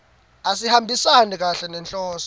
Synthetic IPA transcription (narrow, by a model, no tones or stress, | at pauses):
asihambʱisanik̬ʼaɬɛnɛnt͡ɬʼɔːsɔ